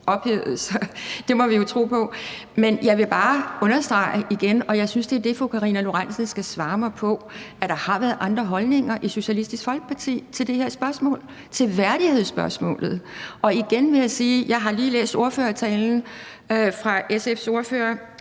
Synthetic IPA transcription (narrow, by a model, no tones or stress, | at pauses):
ɒ̽b̥heðð̩ˠsɒd̥e̝mɒ̽ʋijo̝t͡sʰʁo̝̰ːpʰɒ̽menjɑ̈ɪʋe̝b̥ɑ̈ːɔ̽nɐsd̥ʁɑ̈ɪʔiɡ̥enɒ̽jɑ̈ɪsynsd̥e̝æɐd̥e̝fɒkʰɑ̈ʁinælo̝ʁansən̩sɡ̥æsʋɑ̈ːmɑ̈ɪpʰɒ̽ | æd̥ɑ̈hɑ̈ʋæɐð̩ˠʔɑ̈nd̥ʁɐɦɒ̽lne̝ŋɐʔiso̝ɕælisd̥isɡ̥fɒ̽lɡ̥ə̥pʰɑ̈t͡sʰḭːt͡sʰe̝ld̥e̝he̝ɐ̰sb̥ɶɐsmɔ̰̽ːl | t͡sʰe̝lʋæɐɾ̥ihe̝ð̰ˠsb̥ɶɐsmɔ̰̽ːlð̞̩ˠʔɒ̽iɡ̥enʋe̝jaɪsiːjɑ̈ɪɦɑ̈liːlḛːsd̥o̝ɐføːɐt͡sʰɛːln̩ | fʁɑ̈ʔesefso̝ɐfø̰ːɐ